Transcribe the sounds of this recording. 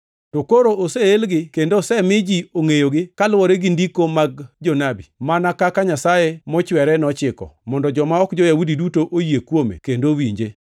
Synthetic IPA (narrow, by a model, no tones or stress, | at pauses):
tokoɾoʔosɛelɡɪkendoːsɛmɪd͡ʒioŋejoɡɪkalwɔɾeɡɪndikomaɡ̚d͡ʒonabimanakakaɲasajemɔt͡ʃwɛɾɛnɔt͡ʃɪkɔ̰mɔndɔd͡ʒɔmaɔkd͡ʒɔjawudidutoʔojiekwomḛkendowiɲd͡ʒe